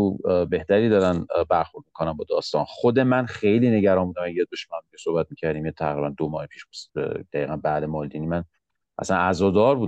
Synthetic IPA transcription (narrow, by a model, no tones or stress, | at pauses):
ube̞ht̪æɾiːd̪ɒːɾænbæɾxoɾd̪mikʰonæmbɒːd̪ɒːst̪ɒːnχod̪e̞mænχejliːne̞ɟæɾɒːnmbuːd̪æmæjɛd̪̚boʃmæmd̪iesohbæt̪̚miːcʰæɾd̪iːmjet̪ʰæɣɾiːbænd̪omɒːhepʰiːʃsd̪̥æjiːɣænbæd̪emɒːld̪iːnimæn | ʔæ̰sænæzɒːd̪ɒːɾbuːd̪